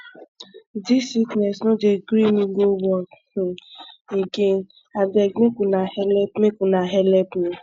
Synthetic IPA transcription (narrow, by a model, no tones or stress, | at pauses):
disiknɛsnõd͡ʒeɡɾiniɡobɔ̃ | eɡe | abɛmekunahɛlɛpmekunaɦɛlɛpnĩ